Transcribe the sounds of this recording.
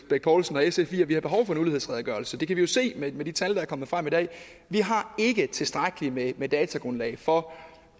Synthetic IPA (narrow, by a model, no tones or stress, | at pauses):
b̥eɡ̥̚pʰɒːlsn̩ɒ̽esefḭːɐʋihɑ̈b̥e̝ɦɒʊfɒ̽enulihḛsʁɛðˠɐɡ̥ɶːɐlsəd̥e̝kʰæʋijo̝se̝̰ːmemed̥it͡sʰæld̥ɑæɐkɒ̽mð̩ˠfʁämid̥ɛ̰ː | ʋiɦɑ̈e̝ɡ̥ət͡sʰe̝sd̥ʁaɡ̥əlimemed̥ɛːt͡sʰæɡ̥ʁɔ̽nlɛ̰ɪfɒ̽